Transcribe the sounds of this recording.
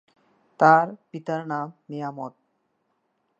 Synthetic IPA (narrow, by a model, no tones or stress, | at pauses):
t̪aɾpit̪aɾnamːijamɔt̪̚